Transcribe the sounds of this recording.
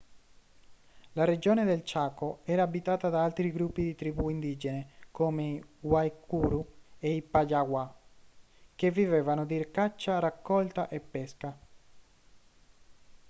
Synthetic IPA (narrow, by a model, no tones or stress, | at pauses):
lared͡ʒoːned̪elt͡ʃaːkoɛːɾaːbit̪aːt̪ad̪aalt̪ɾiɡɾupːid̪it̪ɾibuind̪iːd͡ʒenekoːmeiwajkuːɾueipajaɡwa | kevːivevanod̪irkat͡ʃːarakːɔlt̪aʔepːɛska